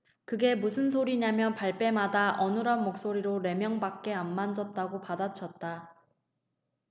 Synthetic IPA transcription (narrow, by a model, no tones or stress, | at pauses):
kɯɡe̞musʰɯns̬ʰoɾiɲamjʌnpaɭp͈e̞madaʔʌnɯɾʌnmok̚s͈oɾiɾoɾe̞mjʌŋbak̚k͈e̞anːand͡ʑʌt̚t͈aɡopadat͡ɕʰʌt̚t͈a